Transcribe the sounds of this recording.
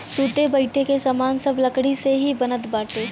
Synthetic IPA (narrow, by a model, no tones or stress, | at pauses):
suːt̪ebɐɪʈʰekesaːmaːnsɐblɐkɽiseɦibɐnət̪baːʈeː